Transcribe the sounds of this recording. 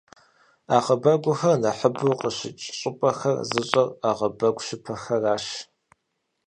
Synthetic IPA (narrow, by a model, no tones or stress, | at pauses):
aːqəbɐɡʷʊxɐrnɐħəbuqəɕɪt͡ʃʼɕʼɪpʼɐxɐrzɨɕʼɐraːʁɐbɐɡʷʼʃɪpʰɐxɐraːʃ